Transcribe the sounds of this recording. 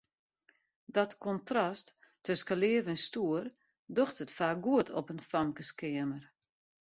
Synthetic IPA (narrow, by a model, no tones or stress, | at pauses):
dɔtkɔntrɔstʰː | øskalɪəvɛnstuər | doxtətfaːk̚ɡuətʰɔpənfamkəskɪəmər